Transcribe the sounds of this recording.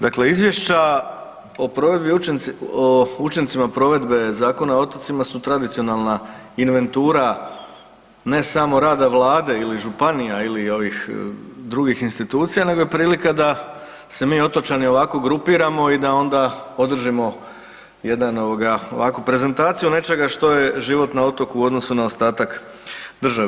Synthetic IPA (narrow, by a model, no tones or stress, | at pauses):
d̪akle̞izʋje̞ʃt͡ɕa | o̞pɾo̞ʋe̞d̪binout͡ʃent̪simapɾo̞ʋe̞d̪be̞zaːko̞nao̞t̪ot̪simasut̪ɾad̪it̪sio̞nalˠna | inʋe̞nt̪uːɾa | ne̞samo̞ɾaːd̪aʋlˠaːd̪e̞iliʒupanijailio̞ʋixd̪ɾuɡixinst̪it̪uːt̪sijane̞ɡo̞jepɾiːlikad̪a | se̞miːo̞t̪ot͡ʃanio̞ʋako̞ɡɾupiːɾamo̞id̪ao̞nd̪ao̞d̪r̩ʒimo̞ | je̞d̪ano̞ʋoɡao̞̰ʋakupɾe̞ze̞nt̪aːt̪sijune̞t͡ʃe̞ɡaʃt̪o̞je̞ʒiʋo̞t̪nao̞t̪o̞kuːo̞d̪no̞sunao̞st̪aːt̪ak | d̪r̩ʒaʋe